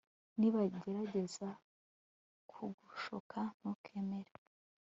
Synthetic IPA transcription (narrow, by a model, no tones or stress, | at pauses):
niβaɟe̞ɾaɟe̞za | kʰuɡuʃokʰaŋ̥ukʰeme̞ɾe